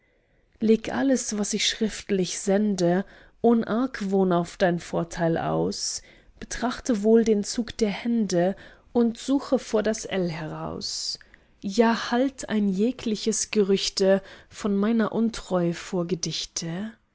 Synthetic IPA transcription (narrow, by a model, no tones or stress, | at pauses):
leːkʔa̰ləsv̥asɪçʃʁ̥ɪftlɪçz̥ɛndə | ʔoːnəʔaɐkʰvoːnaʊfd̥aɪnfoːɐtʰaɪlʔa̰ʊs | b̥ətʁ̥aχtəvoːldeːnt͡suːkd̥eːɐhɛndə | ʔʊntz̥uːxəfoːɐdasʔɛlɦɛʁa̰ʊs | jaːhaltʰa̰ɪnjeːkʰlɪçəsɡ̥əʁʏçtəfɔnmaɪnɐʔʊntʁ̥ɔʏəfoːɐɡədɪçtʰə